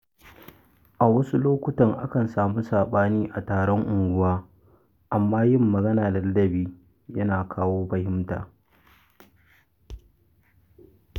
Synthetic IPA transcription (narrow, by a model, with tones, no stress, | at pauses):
ʔa˨wɐ˦su˦loː˦kʷʊ˦tɐ˨ŋʔa˦kɐ˨nsaː˨mu˦saː˨ɓaː˦niː˦ʔa˨taː˨ɽɔ˦ŋʔʊ˨ŋɡʷʊ˦waː˦ | ʔa˨mːaː˦jɪ˦mːɐ˨ɡɐ˦naː˨dɐ˨lɐ˦dɐ˦biː˦ | jɐ˦naː˨kʰaː˦woː˦ɸɐ˨hɪ˦mta̰ː˨